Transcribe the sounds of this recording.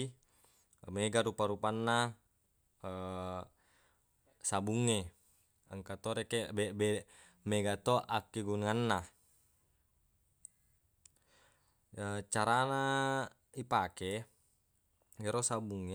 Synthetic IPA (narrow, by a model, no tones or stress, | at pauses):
meɡaɾupaɾupanːa | ə | sabuŋːe | aŋkat̪oɾekebebe | meɡat̪oʔakːeɡunanːa | ət͡ʃaɾana | ipake | ɡeɾosabuŋːe